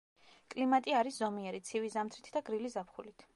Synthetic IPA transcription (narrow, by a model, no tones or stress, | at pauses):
kʼlimat̪ʼiaɾiszɔmiɛɾit̪sʰivizamt̪ʰɾit̪ʰd̪aɡɾilizapχulit̪ʰ